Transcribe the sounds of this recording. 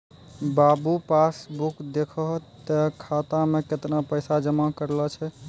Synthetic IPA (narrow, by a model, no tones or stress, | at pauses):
babupasbukd̪ekʰɔɦt̪əkʰat̪ameket̪napəjsad͡ʒəmakəɾlɔt͡ʃʰɛ